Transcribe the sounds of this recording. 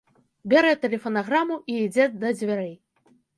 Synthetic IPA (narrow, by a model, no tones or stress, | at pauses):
bʲɛɾɛt̪ɛlʲɛfɐnaɣɾamuʔiːd͡zʲɛd̪ɐd͡zʲvʲaɾɛj